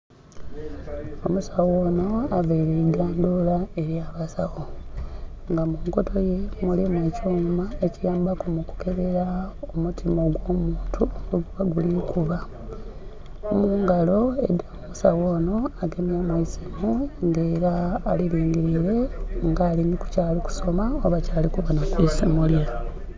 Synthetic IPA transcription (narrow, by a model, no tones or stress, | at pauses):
o̞musawoːno̞aveiɾeiɡaːndolae̞ɾjaβasaɣo | ŋɡamuːŋko̞to̞je̞mulimweːcoːɲumaecijaːmbakumuku̥ke̞βe̞ɾaomutʰimo̞ɡwo̞muːntʰuomɡuɡuβaɡulikuβa | omuːŋɡalo̞ḛdamusawo̞ːno̞aɡe̞mjamwisiɡuŋɡe̞ːɾaːliliːŋɡiɾiɾe̞ŋɡaːliɲiku̥caːliku̥so̞maoβacaːlikuβanakwisimulia